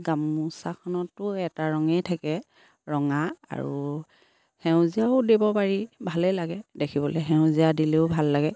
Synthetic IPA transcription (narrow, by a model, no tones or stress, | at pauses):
ɡamusakʰɔnɔtʊɛtaɹɔŋɛjtʰakɛ | ɹɔŋaa̰ɹu | hɛʊ̃ziaʊdebɔpaɹibʱalɛlaɡɛdekʰibɔlɛɦɛʊ̃ziadileʊbʱalːaɡɛ